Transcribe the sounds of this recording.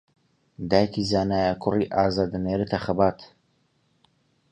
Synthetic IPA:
d̪aːjkizaːnaːjakʰʊriːʔaːzaːd̪ɨneːɾɨt̪ʰɐxɐbaːt̪

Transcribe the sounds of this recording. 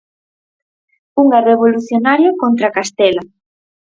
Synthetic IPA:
uŋareβoluθjonaɾjokont̪ɾakast̪ɛla

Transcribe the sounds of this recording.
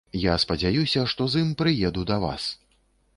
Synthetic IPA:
jaspɐd͡zʲajusʲɐʂt̪ɔzɨmpɾɨjɛd̪ud̪ɐva̰s

